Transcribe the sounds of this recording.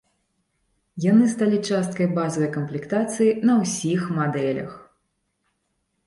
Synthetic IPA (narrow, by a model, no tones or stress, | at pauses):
janɨst̪alʲit͡ʂast̪̚kɐjbazɐvɐjkɐmplʲikt̪at̪sɨjinɐwsʲixmad̪ɛlʲɐ̰x